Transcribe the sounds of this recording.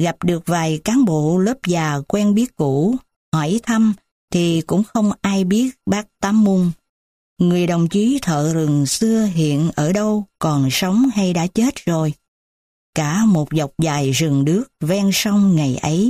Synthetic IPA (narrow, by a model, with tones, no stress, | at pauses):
ɣa˨˩p̚ɗɨ˨˩ək̚vaː˨˩jkaː˨˦nɓo̰˧˨ləː˦˥p̚zaː˨˩kwɛː˧nɓi˦˥ət̚ku˧˩˥ | hɔ˧˩t̪ʰa˧m | t̪ʰi˨˩kʊ̰˧˥ŋ͡mxə˧wŋ͡mʔaː˧jɓi˦˥ət̚ɓaː˦˥k̚t̪aː˨˦mːu˧ŋ | ŋɨ˨˩əjɗə˨˩wŋ͡mt͡ɕi˨˦t̪ʰə̰ː˧˨ɾɨ˨˩ŋsɨ˧əɦḭ˧˨ənʔəː˧˩ɗə˧wkɔ˨˩nsə˨˦wŋ͡mha˧jɗa̰ː˧˥t͡ɕe˦˥t̚zo˨˩j | kaː˧˩mo˨˩t̚za˨˩wk͡p̚zaː˨˩jzɨ˨˩ŋɗɨ˦˥ək̚vɛ˧nsa˧wŋ͡mŋa˨˩jʔə˨˦j